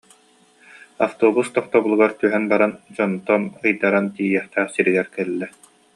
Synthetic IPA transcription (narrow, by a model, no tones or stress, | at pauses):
aft̪oːbust̪ɔχt̪ɔbulˠuɡaɾt̪yɦɛnbaɾand͡ʑɔnt̪ɔnɯjd̪aɾant̪iːiɛχt̪æːχsiɾiɡɛɾkɛlːɛ